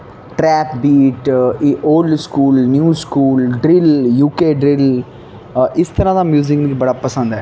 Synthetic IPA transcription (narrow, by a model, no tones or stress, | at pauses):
ʈɾɛːpbiːʈoːɖskuːlnjuːskuːlɖɾɪljuːkeːɖɾɪl | ʔɪst̪əɾãːd̪amjuːzɪknɡibɐɽaːpɐsə̃nd̪ɦɛː